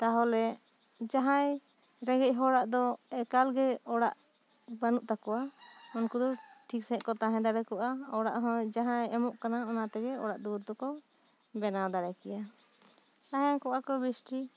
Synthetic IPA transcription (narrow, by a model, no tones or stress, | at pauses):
t̪aɦɔlɛ | d͡ʒaɦãj | ɾɛɡɛc̚ˀɦɔɽaʔd̪ɔɛkalɡɛɔɽa̰ʔ | banuʔt̪akɔaɔnkud̪ɔʈʰiksɛʔkɔt̪aɦɛ̃d̪aɽɛkɔʔaɔɽa̰ʔɦɔ̃d͡ʒaɦãjɛmɔʔkanaɔnat̪ɛɡɛɔɽaʔd̪uɾd̪ɔkɔ | bɛnad̪aɾɛkɛja | t̪aɦakɔʔakɔbisʈʰi